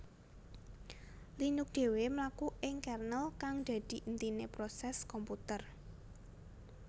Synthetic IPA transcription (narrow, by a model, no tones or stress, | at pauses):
linʊk̚d̪̥e̤wemlakuʔɪŋkɛrnəlkaŋd̪̥ä̤d̪̥i̤ʔənt̪inepɾosɛskɔmput̪ər